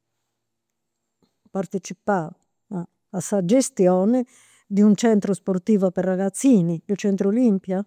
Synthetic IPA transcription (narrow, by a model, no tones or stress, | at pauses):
part̪et͡ʃipa | sad͡ʒest̪jɔːnɪ | d̪iunt͡ʃɛnt̪ɾosport̪iːvaperːaɣat̪sːiːniilt͡ʃɛnt̪ɾolimpja